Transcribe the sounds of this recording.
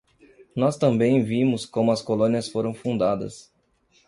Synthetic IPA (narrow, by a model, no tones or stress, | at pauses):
nɔst̪ɐ̃mbẽj̃vĩmʊskõmʊɐskolõniɐsfoɾɐ̃w̃fũnd̪ad̪ɐ̰s